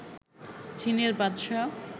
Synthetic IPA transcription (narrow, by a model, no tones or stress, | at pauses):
t͡ɕineɾbad̪ʃa